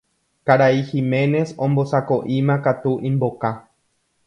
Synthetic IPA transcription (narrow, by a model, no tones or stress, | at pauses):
kaɾaiximẽ̞ne̞sõmbo̞sakoʔĩmãkat̪uʔĩmboka